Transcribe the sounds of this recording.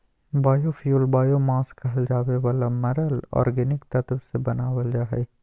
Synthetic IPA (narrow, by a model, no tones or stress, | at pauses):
baːjofijuːlbaːjomãːskɐɦəld͡ʒaːweʋaːlamɐɾəlɔ̰ːɾɡɪnɪkt̪ɐt̪əbsebɐnaːwəld͡ʒaːɦḛː